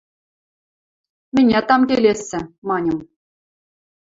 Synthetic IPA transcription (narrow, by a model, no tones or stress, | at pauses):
mʲɘ̆nʲet̪ɑmkʲelʲesʲːɘ̆mɑnʲɤ̆m